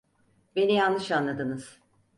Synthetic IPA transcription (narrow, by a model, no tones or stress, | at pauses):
be̞nijanlːˠɯʃanlˠad̪ɯnɯz̥